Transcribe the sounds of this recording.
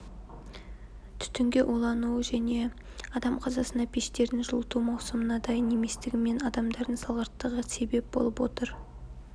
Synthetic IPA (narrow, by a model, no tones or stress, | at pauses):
t̪ʰʏ̥t̪ʏŋɡʲe̞ʔolˠɑnuwʒæne̞ | ɑd̪ɑmqʰɑzɑsənɑpʰeʃt̪e̞ɾd̪ɪnʒʊlˠət̪umɑwsəmənɑd̪ɑjne̞me̞st̪ɪɡʲɪme̞nɑd̪ɑmd̪ɑɾd̪ənsɑlˠʁɑɾt̪ːəʁəse̞be̞p̚bo̞̰lˠəpwot̪əɾ